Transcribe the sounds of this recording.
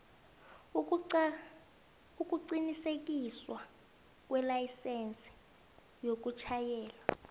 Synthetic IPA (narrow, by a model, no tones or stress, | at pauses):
uk̬ʼuǀinisek̬iswa | k̬wɛlajisɛnt͡sʼɛ̥ | jok̬ut͡ʃʰajɛːla